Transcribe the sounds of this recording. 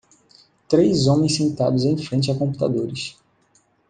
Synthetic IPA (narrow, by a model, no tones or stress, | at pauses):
t̪ɾejzõmẽj̃sẽnt̪a̰d̪ʊzẽj̃fɾẽnt͡ʃɪakõpu̥t̪a̰d̪oɾɪs